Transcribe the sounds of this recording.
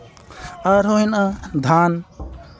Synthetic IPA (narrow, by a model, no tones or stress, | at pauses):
aɾoinad̪ʱaːn